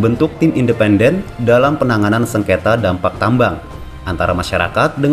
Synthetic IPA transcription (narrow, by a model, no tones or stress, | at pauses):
bənt̪ʊk̚t̪imindəpɛndɛndalampənaŋanansəŋket̪adampak̚t̪ambaŋ | ʔant̪aɾamaʃaɾa̰kat̪̚dəŋ